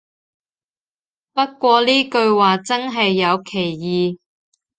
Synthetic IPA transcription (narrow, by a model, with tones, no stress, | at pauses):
pɐ˥t̚kʷɔː˧liː˥kɵ˧ɥwaː˨t͡sɐ˥nɦɐ˨jːɐ˨˧wkʰe˨˩jjiː˨˧